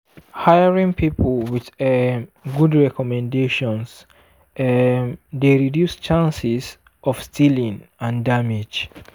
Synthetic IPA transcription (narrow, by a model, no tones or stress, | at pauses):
hajəɹĩŋpʰipʰlˠwiðɛɡudɹɛkɔmɛ̃ndeʃɔ̃ns | ðeɹidjust͡ʃãnsiz | ʔɔv̥stʰilĩŋãndamɪd͡ʒ